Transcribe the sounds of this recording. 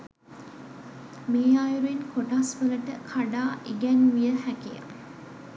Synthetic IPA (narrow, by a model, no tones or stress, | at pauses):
meːajuɾuenkoʈasʋələʈəkʰaɖaːʔiɡɛnʋijəhækija̰